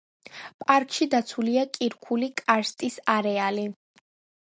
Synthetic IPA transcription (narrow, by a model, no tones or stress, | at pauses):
pʼaɾkʼʃid̪at̪sʰuliakʼiɾkʰulikʼaɾst̪ʼisaɾɛali